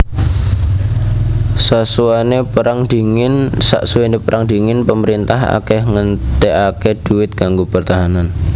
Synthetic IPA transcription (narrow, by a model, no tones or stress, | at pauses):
sasuanepəɾaŋd̥iŋɪnsa̰ʔsuwenepəɾʔaŋdi̤ŋɪnpəməɾint̪aɦa̰kɛhŋənt̪eʔaked̥uwɪt̪̚ɡ̥aŋɡopərt̪aɦanan